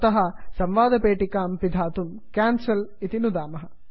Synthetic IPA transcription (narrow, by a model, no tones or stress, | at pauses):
t̪ɐɦɐsɐmʋaːd̪ʱɐpeːʈikaːmpid̪ʱaːt̪um | kaːnsɐlit̪inud̪aːmɐɦɐ